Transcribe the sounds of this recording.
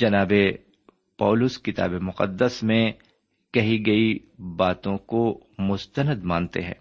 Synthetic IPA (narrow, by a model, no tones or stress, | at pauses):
d͡ʒɐnaːbe | pɔːlʊskɪt̪a̰ːbemʊqə̰d̪ːəsmẽ | kɐɦiɡɐi | baːt̪õkomʊst̪ənəd̪mãːnt̪ḛɦɛ̰̃ː